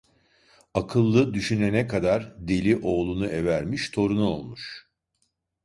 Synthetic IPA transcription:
akʰɯlˠːɯd̪yʃynenɛkʰad̪aɾd̪elʲiʔo̞ːlˠunuʔevæɾmiʃt̪ʰo̞ɾunuo̞lˠmuʃ

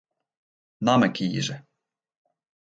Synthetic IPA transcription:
namɛkijḭʒɛ

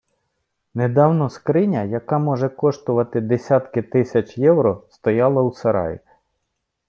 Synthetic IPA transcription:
ned̪ɑwnɔskɾɪnʲɐjɐkɑmɔʒɛkɔʃt̪ʊʋɐt̪ɪd̪esʲɑt̪kɪt̪ɪsʲɐt͡ʃjɛwɾɔst̪ɔjɑlˠɐwsɐɾɑ̰j̰

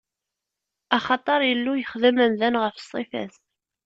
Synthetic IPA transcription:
ɑχɑt̪ˤɑɾˤjəlːujəχðəmænðænʁəfə̥sˤːifæ̰θ

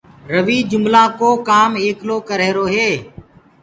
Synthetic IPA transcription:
ɾəʋiːd͡ʒʊmlãːkoːkaːmeːkloːkəɾeːɾoːɦeː

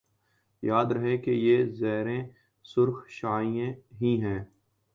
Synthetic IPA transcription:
jaːd̪ɾɐɦekejeːzɛːɦɾẽ | sʊɾxʃaːijẽɦiɦɛ̃ː

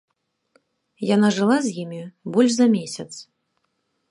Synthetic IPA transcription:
janaʐɨlˠazʲjimʲibɔlʲʂzɐmʲesʲɐt̪s

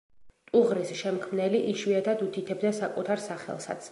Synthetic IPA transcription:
t̪ʼuʁɾisʃɛmkʰmnɛliʔiʃwiat̪ʰad̪ut̪ʰit̪ʰɛbd̪asakʼut̪ʰaɾsaχɛ̰lˠsa̰t̪sʰ

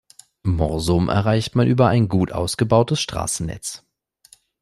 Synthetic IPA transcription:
mɔʁzʊmʔɛ̰ɐʁaɪçtmanʔyːbɐʔaɪnɡuːtʔa̰ʊsɡ̥əbaʊtəsʃtʁ̥a̰ːsn̩nɛ̰t͡s

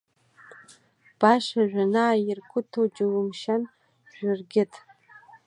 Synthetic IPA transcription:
b̥aʂaʒᶣʷanaːjɪrkʷʰʊtʰod͡ʒɪwɨmʃan | ʒᶣɪrɡʲɪtʼ

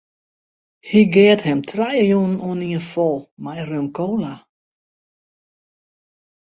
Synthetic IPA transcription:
hiɡeːəthɛmtʰrajəjunnoəniənfɔlˠmajrømkʰoːla

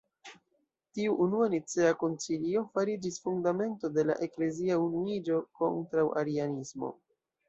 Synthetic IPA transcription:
tiuʔːnuanit͡seako̞nt͡silio̞faɾid͡ʒisfundame̞nto̞de̞la̰ʔe̞kle̞ziaunuid͡ʒo̞ko̞̰ntɾawʔa̰ɾianismo̞̰

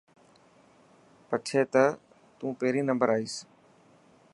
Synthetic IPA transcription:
pəʈʰeːt̪ə | t̪ũːpeːɾiːnəmbəɾaːiːs

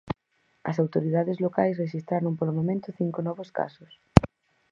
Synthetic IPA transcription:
ɐs̬awt̪oɾiðaðɪzlokajsreʃist̪ɾaɾoŋpolomomẽnt̪ʊθiŋkonɔβoska̰sʊs

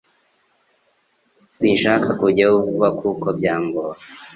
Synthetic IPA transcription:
sinʃakakuɟauvuβakʰukobɟaːŋɡo

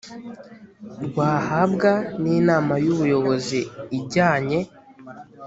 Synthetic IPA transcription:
ɾɡwaːhabɡaniːnaːmajuβujo̞βo̞ziːɟaːɲe̞

